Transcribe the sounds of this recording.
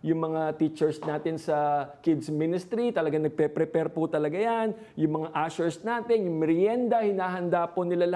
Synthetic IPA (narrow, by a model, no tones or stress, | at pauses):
jʊŋmɐŋat̪it͡ʃɛɹsnaːt̪ɪnsɐkɪd̪smɪnɪst̪ɾit̪ɐlɐɡaŋnɐɡ̚pɛpɾɛpɛɾpot̪ɐlɐɡajan | jʊŋmɐŋaʔaʃɛɹsnaːt̪ɛnjʊŋmɪɾjɛnd̪ɐhɪnaːɦɐnd̪aːponɪlalɐ